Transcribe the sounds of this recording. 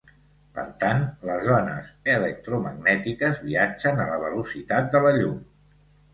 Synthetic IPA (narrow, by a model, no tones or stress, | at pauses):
pə̰ɾt̪anləzɔnə̰zələk̚t̪ɾuməɡnɛt̪ikəzβiad͡ʒənələβəlusit̪at̪̚d̪ələʎum